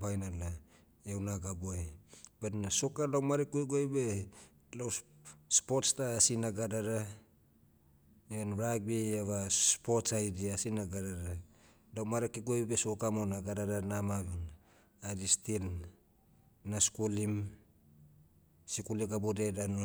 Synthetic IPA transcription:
bajnala | ewnaɡaboebenaso̞kalawmaɾekueɡoebe | lawspotstaːsinaɡadaɾa | enɾaɡbeaβaspotsajdiasinaɡaɾaɾa | lawmaɾekiɡobesokamonaɡadaɾanamabin | aɾistil | naskulim | sikuliɡabodedano

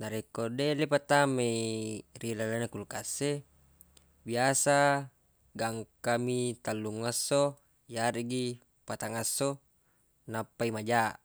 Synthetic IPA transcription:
naɾekodelepat̪ame | rilalanakulkasːe | biasa | ɡaŋkamit̪alːuŋːasːo | jaɾiɡi | pat̪aŋasːo | napːaimad͡ʒa

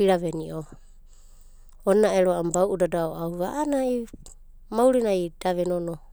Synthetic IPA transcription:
iɾaβeniʔo | onːaeɾoambawʔudadaoawβaʔːnai | mawɾinajd̥aβenono

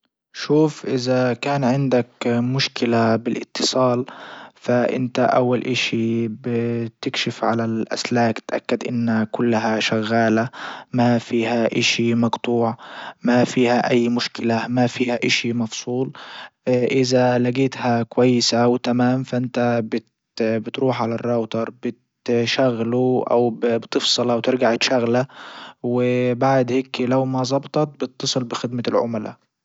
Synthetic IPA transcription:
ʃuːfʔɪzakaːnʕɪnd̪akmʊʃkɪlabɪlʔɪ̰t̪ʰːɨ̥sˤɑːlfaʔɪ̰nt̪aʔa̰wːalʔaʃibɪt̪ɪkʃɪfʕalalʔa̰slaːkt̪ʔa̰kːad̪ʔɪ̰nːakʊlːaɦaʃaɣːaːlamafiːhaʔaʃimɑɡt̪ˤuːʕmafiːhaʔajːmʊʃkɪlamafiːhaʔɪʃimɑfsˤuːl | ʔɪzalaɡeːt̪hakwajːɪsawɪt̪amaːmfaʔɪnt̪abɪt̪ | bɪt̪ɾuːħʕalarˤːɑwt̪ɑɾˤbɪt̪ | ʃaɣːluʔa̰wbbt̪ɨfsˤɨlʔawt̪ɪɾɡaʕɪt̪ʃaɣlawɪbaʕd̪heːklawmazˤɑbt̪ˤɑt̪̚bɪt̪ːɑsˤɨlbɪxɪd̪malʕʊ̰mala̰

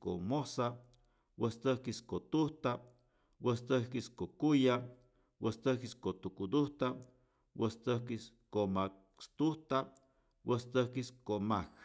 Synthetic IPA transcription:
ko̰mosa | wəst̪əhkiskot̪uht̪a | wəst̪əhkiskokuja | wəst̪əhkiskot̪ukud̪uht̪a | wəst̪əhkiskoma | st̪uht̪a | wəst̪əhkiskomak

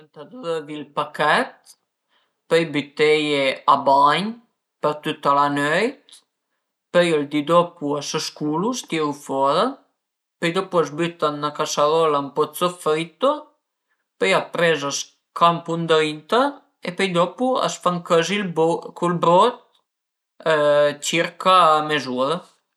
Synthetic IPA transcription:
nt̪ad̪ɔðəvilpakɛt̪̚ | pɛjbyt̪ɛjɛabaɲ | pəɾt̪yt̪alanœjt̪ | pɛjɔld̪id̪ɔpuasəʃkulust̪jɛufɔɾa | pəjd̪ɔpuazbyt̪anːakasaðɔlampɔt͡sɔfɾit̪ɔ | pəjap̪ɾɛzas | kʰampund̪int̪a | ɛpəjd̪ɔpua̰sfaŋkəzilbkʰulbɾɔt̪̚ | t͡ɕiɾkamɛzuða

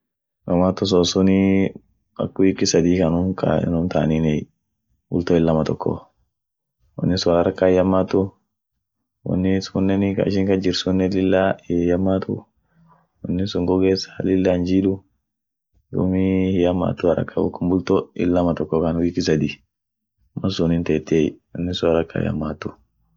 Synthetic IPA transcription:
ɡɐmat̪ːʊs̬ɔsʊni | ɐ̰kːwiːkːɪsɐd̪iːkɐnʊkʰa̰nʊnt̪aːninɛ | bʊlt̪oːɪlːɐmɐt̪ɔkːɔ̰ | wɐ̰nːɪsʊnaɾɾɐkːaɪjɐmːaːt̪ːʊ | wɔ̰nːɪsunːɛnɪka̰ɪʃ̬ɪŋkɐd͡ʒɪɾsunːɛlɪlːajɐmːaːt̪ʊ̰ | wɔ̰nːɪsʊŋɡɔɡeːsḁlɪlːand͡ʒiːɗʊ | dṵmihjɐmːa̰ːt̪ːʊhɐɾɐ̰kʰːa̰bʊ̰kːʊmbʊlt̪oɪ̰lːɐmɐt̪ɔkːɔkanwiːkɪs̬ɐd̪i | mɐsunɪnt̪ɛt̪ːewɔnːɪsʊaɾɐkːa̰ɪ̰jɐ̰mːaːt̪ːʊ

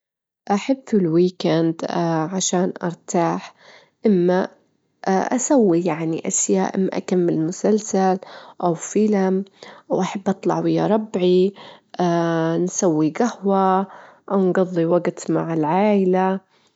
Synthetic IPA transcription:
ʔaħabɪlwiːkand̪aʕaʃaːnʔɑ̰ɾˤt̪aːħ | ʔɪmːa | ʔʔa̰sawːijaʕniʔasja̰ːʔʔɪ̰mːa̰ʔa̰kamːɪllmʊsalsalʔawfilamʔawʔaħabːʔɑt̪ˤlɑʕwɪjːa̰ɾˤɑbʕiʔaːnsawːiɡahwaʔawnɡɑðˤːiwaɡt̪maʕɪlʕaːʔɪla

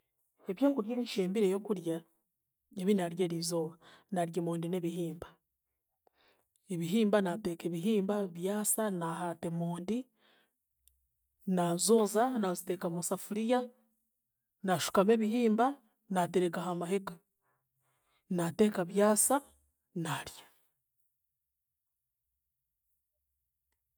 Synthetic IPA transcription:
e̞βjeːŋkuɾjeːnʃeːmbiɾe̞jo̞kuɾja | eβinaɾje̞ːɾizo̞βanaɾjemoːndine̞βihiːmba | eβiɦiːmbanate̞ːke̞βiɦiːmbaβjaːsanahate̞moːndi | nazo̞ːzanazite̞kamusafuɾija | naʃu̥kame̞βihiːmba | nateɾeɡaɦamaheka | nate̞ːkaβjaːsa | naɾjḁ

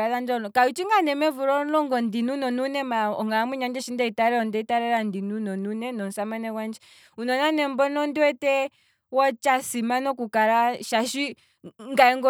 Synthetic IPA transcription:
aðand͡ʒɔnɔkaut͡ʃiŋɡanɛmɛvuɾɔnɔŋɡɔndinunɔnunɛmaɔŋɡaamuɲand͡ʒɛʃindɛitaɾɛɔndɛitaɾɛɾandinunɔnunɛnɔn̩samanɛwand͡ʒɛ | unɔnanɛmbɔnɔndiwɛtɛ | wɔt͡ʃasimanɔkukaɾaʃaʃi | ŋɡaɛŋɡɔ

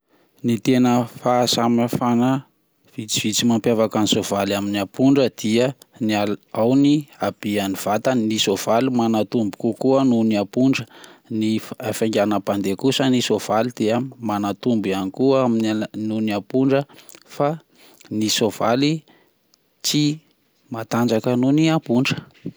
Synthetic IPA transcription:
nit̪enəfasamafanə | v̥it͡siv̥it͡simampjavakanisov̥alaminiapuɳɖ͡ʐəd̪̥iə | nalawniab̥ianiv̥at̪ənisov̥alimanat̪umbukukuənuniapuɳɖ͡ʐəniafaŋɡʲanapand̪ekusənisov̥alid̪̥eamanat̪umbanikuəaminnuniapuɳɖ͡ʐəfa | nisov̥ali | t͡si | mat̪and͡zakanuniapuɳɖ͡ʐə̥

